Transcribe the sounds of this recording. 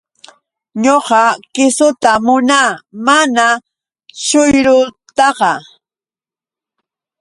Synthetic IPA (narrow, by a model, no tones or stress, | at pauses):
ɲoqɑkɪsʊt̪amʊnaːmana | ʃʊjɾʊt̪ɑqɑ